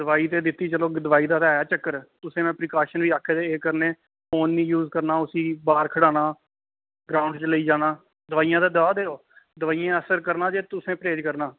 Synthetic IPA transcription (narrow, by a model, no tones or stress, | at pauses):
d̪əʋaːiːt̪eːd̪ɪt̪ːiːt͡ʃəloːd̪əʋaːiːd̪aːt̪ɛːjaːt͡ʃəkːəɾt̪ʊsẽːmɛ̃ːpɾɪkaːʃənʋiːaːkʰeːd̪eːeːkəɾneː | oːnːĩːjuːzkəɾnaːʊsiːbaːɾkʰəɽaːnaː | ɡɾaːʊɳɖt͡ʃləiːd͡ʒaːnaː | d̪əʋaːijãːd̪aːd̪əʋaːd̪eːoː | d̪əʋaːijãːəsəɾkəɾnaːd͡ʒeːt̪ʊsẽːpɾeːd͡ʒkəɾnaː